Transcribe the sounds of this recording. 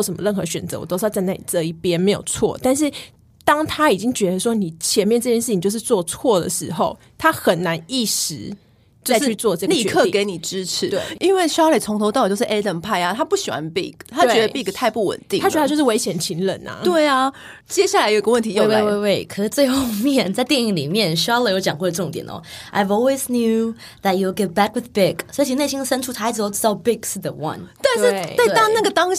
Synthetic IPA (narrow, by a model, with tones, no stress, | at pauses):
ʂə˨˩mə̰˦lə˥˩nxɤ˧˦ɕɥɛ˨˩nt͡sɤ˧˦wɔ̰˨˩t̪o˥ʂ̩˥˧˩t͡sna˥˩lḭ˨˩t͡sə˥˧i˥˩pjɛ˥nme˧˥ɪjo̰˨˩ʊt͡sʰwɔ̰˥˩t̪a˥˧nʂ̬ɻ̩˥˩ | t̪ɑ˥ŋt̪ʰa˥i˨˩t͡ɕi˦ŋt͡ɕɥɛ˧˥d̪ə˧ʂwɔ˥ni˨˩t͡ɕʰjɛ˧˥nmjɛ˥˧nʈ͡ʂɤ˥˧t͡ɕjɛ˥˧ʂ̩˥˩ĩ˨˩t͡ɕjo˥˧ʂɻ̩˥˧t͡swɔ˥˧t͡sʰwɔ˥˩d̪ə̰˨˩ʂɻ̩˧˥xo˥˧ʊ | t̪ʰa˥xə˨˩nna˧˦˥ni˥˩ʂɻ̩˧˥ | t͡ɕjʊ˥˧y˥˧t͡swɔ˥˧ʈ͡ʂə˥˧ɡli˥˩˧ɛɤ˥˧˨ke˧˥ɪni˨˩ʈ͡ʂɻ̩˥ʈ͡ʂʰɻ̩˨˥t̪we˥˩i˦nwe˥˩ɪʂle˨˩t͡sʰʊ˧˥ŋt̪ʰo˧˥ʊt̪ɑ˥˩d̪jo˥˧ʊʂ̩˥˩ʔe˥t̪ə˥˧˩npʰa˥˧ɪa˦t̪ʰa˦˥pu˥˩ɕi˨˩wa̰˦npi˥˩ɡt̪ʰa˥t͡ɕɛ˦˥ə˩pi˥˧˩ɡt̪ʰa˥˧ɪpu˥˩wə̰˨˩nt̪i˥ŋʰa˥jʰʂɻ̩˥˧we˧˥ɪɕjɛ˨˩nt͡ɕʰi˧˥ŋlə̰˨˩˦nɐ̰˨t̪we˥˩ɪa˩ | t͡ɕjɛ˥ɕja˥˩la˧ɪjo˨˩i˧ɡə˧wə˥˩nt̪ʰi˧jo˥˧we˥˧we˥˧ɪwe˥˩ɪkʰə˨˩ʂɻ̩˥t͡swe˥˧ɪxo˥˧ʊmjɛ˥˩nt͡sa˥ɪt̪jɛ˥˧ni˥˩li˨˩mjɛ˥˩nɕy˥jɑ˥ʊlə˨˩jo˧˥ʊt͡ɕjɑ˨ŋkwɔ˥˩də˧ə˥˩ʊ˧ŋt̪jɛ̰˨˩nɔ̰˧˦ʔa̰˧ɪvɔ˧lwe˥˧znju˥˧ | ðæ˨t̚ju˨lɡɛ˥t̚b̥æ˥kwɪ˨ðbɪ˥˩ksɔ˧˥i˧˩t͡ɕʰi˧ne˥˩ɕ̬ĩ˥ŋd̪ə˨sə˥nʈ͡ʂʰu˥t̪ʰa˥ɪt͡s̩˧o˧ʊ˥˩t͡sa˥˧˩bɪ˥˧ɡʂ̩˥˩ðə˩wɐ̰˧nt̪wɻ̩˥˩wa˥˩ɪɑ˥ŋna˥˩ɡə˩t̪ɑ˥ŋ